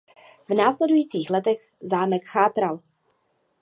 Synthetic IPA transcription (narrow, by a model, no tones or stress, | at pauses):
vnaːslɛdujiːt͡siːxlɛt̪ɛɣ | zaːmɛkxaːt̪ɾal